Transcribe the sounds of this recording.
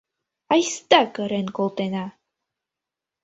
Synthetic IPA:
ajst̪akɤ̆ɾenkolˠt̪ena

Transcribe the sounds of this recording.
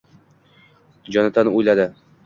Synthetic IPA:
d͡ʒɒnat̪ʰanujlad̪ɪ

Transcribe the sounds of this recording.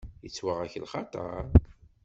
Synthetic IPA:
jət͡sːwaʁæçəlχɑt̪ˤɑ̰ɾ

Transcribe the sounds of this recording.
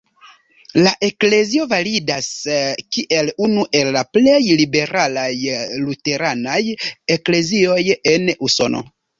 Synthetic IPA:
laʔe̞kle̞zio̞validaskiʔe̞lunuʔe̞lːaple̞jlibe̞ɾalajlute̞ɾanaje̞kle̞zio̞je̞nuso̞̰no̰

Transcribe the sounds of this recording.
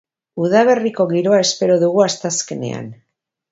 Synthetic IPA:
uðaβ̞e̞riko̞ɣiɾo̞ae̞spe̞ɾo̞ðuɣuast̪aske̞ne̞̰a̰n

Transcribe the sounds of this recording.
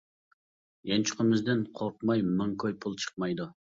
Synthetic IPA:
jɛnt͡ʃʰʊ̥qʰəmɨzd̪ɪnqʰoɾqmɑjmɨŋkʰojpʰulˠt͡ʃʰə̥q̚mɑjd̪u

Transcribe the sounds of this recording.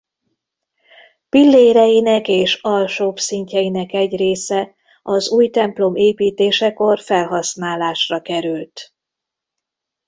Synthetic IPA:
pilːeːɾɛjinɛkeːʃɒlʃoːbsiɲcɛjinɛkɛɟreːsɛ | ɒzuːjt̪ɛmplo̞meːpiːt̪eːʃɛko̞rfɛlɦɒsnaːlaːʃrɒkɛɾylt̪

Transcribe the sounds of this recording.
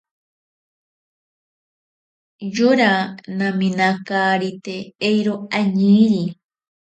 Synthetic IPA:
joɾanãmĩnakaːɾit̪eejɾoaɲiɾi

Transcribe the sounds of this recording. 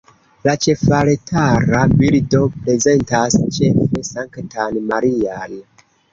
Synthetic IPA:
lat͡ʃe̞faɾetʰaɾabildo̞pɾe̞ze̞ntast͡ʃe̞fe̞saŋktʰanmaɾiaj

